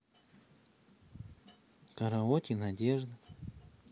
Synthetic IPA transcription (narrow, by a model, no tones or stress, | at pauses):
kaɾaotʲinadʲeʐd̪ə